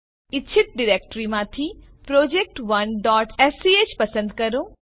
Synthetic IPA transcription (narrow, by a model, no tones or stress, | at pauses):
ɪt͡ʃʰːɪt̪̚ɖiɾeːk̚ʈɾimãːt̪ʰipɾoːd͡ʑeːk̚ʈʋɐnɖɔːʈɛːsiet͡ɕpɐsə̃nd̪kɐɾõː